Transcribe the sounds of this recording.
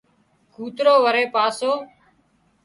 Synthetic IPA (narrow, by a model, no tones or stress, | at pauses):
kuːt̪ɾoːʋəɾeːpaːsoː